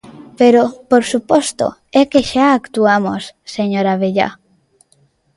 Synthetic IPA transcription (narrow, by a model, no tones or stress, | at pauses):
peɾopoɾsupɔst̪o̰ɛkeʃaakt̪uamo̰sseɲoɾaβeʎa̰